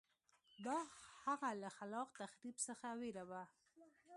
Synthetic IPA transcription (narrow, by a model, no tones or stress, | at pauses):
d̪ɑhaɣalaxalɑqt̪axɾibsəxaweɾawa